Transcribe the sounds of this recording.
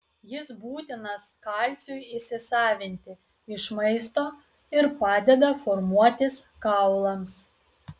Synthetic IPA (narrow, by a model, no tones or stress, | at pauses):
jɪsbuːt̪ʲɪnɐskɑlʲt̪sʲʊjisʲɪsɑːʋʲɪnʲt̪ʲɪ | ɪʃmɐɪst̪oː | ɪɾpɑːd̪ʲɛd̪ɐfɔɾmuɔt̪ʲɪskɑʊlˠɐms